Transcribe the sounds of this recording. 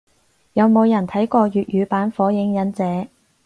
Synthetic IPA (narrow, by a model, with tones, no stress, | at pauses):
jɐ˨˧wmo˨˧wjɐ˨˩nt̪ʰɐ˨˥jkɔː˧ɥyː˨t̚jyː˨˧paː˨˥nfɔː˨˥jɪ˨˥ŋjɐ˨˥nt͡sɛː˨˥